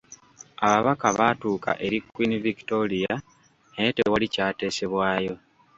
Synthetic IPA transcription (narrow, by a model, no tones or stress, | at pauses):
aβaβakaβatuːka̰ʔe̞ɾikːwiniviki̥tolija | netewalicaːte̞ːse̞βwaːjo̞